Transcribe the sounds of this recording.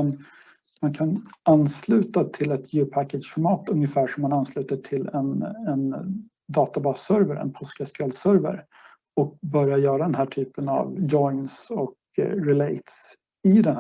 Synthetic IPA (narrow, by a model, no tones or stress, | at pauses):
n | mankʰananːslʉ̟ːt̪at̪ʰɪlɛt̪ʰjʉːpʰækːəʂfɔɾmɑːt̪ɵŋjəfæːʂɔmːananːslʉ̟ːt̪aʈʰɪlɛnɛn | d̪ɑːt̪abɑːsœɾvəɾɛ̰npʰɔskɛskɛlsœɾvə̰ɾ | ɔk̚bœɾjajœːɾad̪ɛnɦæːʈʰyːpəna̰vjɔɪnsɔk | ɾɪleɪt̪s | ɪd̪ɛnh